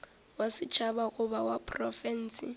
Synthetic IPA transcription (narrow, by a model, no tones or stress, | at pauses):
wasɪt͡ʃʰabaɣʊbawapʰʼrɔfɛn̩ːsɪ